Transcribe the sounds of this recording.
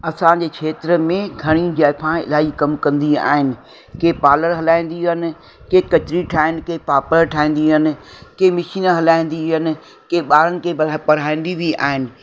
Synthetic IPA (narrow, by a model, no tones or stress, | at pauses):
ɐsãd͡ʑeːkʰeːt̪ɾəmẽɡʱɐɽ̃id͡ʑaːɪpʰãɪ̰laːikɐmkɐ̃nd̪ia̰ːɦɪnɪ̆ | keːpaːləɾɦɐlaːĩn̆d̪iɦənɪ̆ | keːkɐt͡ɕɾiʈʰaːɦɪnɪ̆keːpaːpəɾʈʰaːĩːn̆d̪iɦənɪ̆keːmɪʃiːnɦɐlaːĩːn̆d̪iɦənɪ̆ | keːɓaːɾənɪ̆kʰepɐɽ̤aːĩːn̆d̪ibia̰ːɦɪnɪ̆